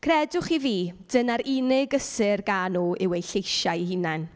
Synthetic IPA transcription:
kʰrɛdʊχiviːd̥ənaɾɪnɪɡəsɪrɡanuːʔɪwejɬejʃahɪnan

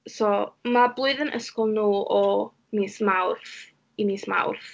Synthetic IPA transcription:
sɔmablˠʊɨðənʔə̰skɔlˠnuːɔ | niːsmawrθ | iniːsma̰wrθ

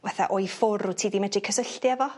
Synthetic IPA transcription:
vaθa̰ʔojfʊɾutʰiːdimɛdrikʰəsəɬtjɛvɔ

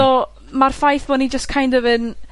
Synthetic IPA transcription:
ɔ | marfajθb̥ɔnid͡ʒəstkʰajndəvɨn

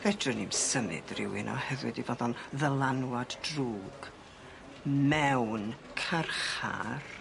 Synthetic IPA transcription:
v̥ɛdrɨnimsəmɨ̰d̥rɪ̰wɪnʔɔ̰hɛvɨdivɔðɔnðəlˠanwaddruːɡ̥ | mɛwn | kʰarχa̰r

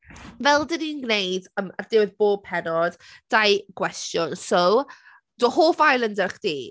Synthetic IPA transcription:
vɛlˠdəniːnɡnejdəmərdɪwɪðb̥oːb̚pʰɛnɔd̥ | d̥ajɡ̥wɛstjɔnso | d̥ɔːhoːfajlˠəndəχd̥iː

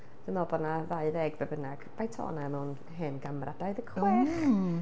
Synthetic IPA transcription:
d̥ɨmɔbɔnaðaɨðɛɡbɛbənaɡ̥m̥ajtʰɔ̰ːnaɛmɛwn | ɦeːnɡamra̰d̥aɨðəkʰɪθ

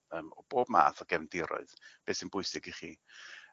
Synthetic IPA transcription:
əːmɔb̥oːbma̰ːθɔɡɛvndɪɾɔ̰ɨðb̥eːsɪnbʊɨsɪɡiχiː

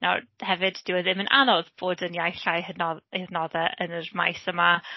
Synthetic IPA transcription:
na̰hɛvɨdd̥ɪwəðɪmənʔa̰nɔðb̥oːdənjajɬanɔeðnɔðɛʔənərma̰jsəma

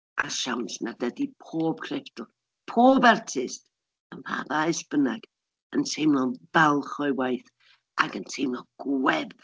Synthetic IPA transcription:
ʔa̰ʃawnsnadədipʰoːb̥̚kʰrɛftʊlˠ | pʰoːbartʰɪst | əmv̥a̰vaɛsb̥ənaɡ̥ | əntʰejmlˠɔnbɛlˠχɔɨwajθ | ʔaɡəntʰejmlˠɔɡ̥wɛb

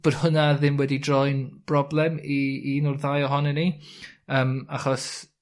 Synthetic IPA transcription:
b̥oːd̥hʊnaðɪmwɛdidrɔjnb̥rɔblˠɛmiːnʊrðajɔɦɔnɛniəːmaχɔs

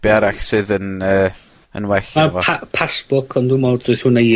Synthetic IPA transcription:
b̥jaɾaɬsɨðənəː | ə̰nwɛɬavɔapʰasb̥ʊkʰɔndumɔd̥ʊɨθhuːnej

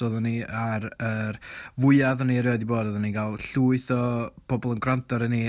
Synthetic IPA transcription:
ɔðɔniaɾəɾvʊɨaðɔniɾodiboːdɔðɔninɡalˠɬuːɨθɔb̥ɔbɔlˠənɡrantʰɔɾəni

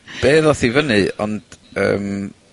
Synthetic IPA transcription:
b̥eːðɔθivənɨɔ̰nd̥ə̰ːm

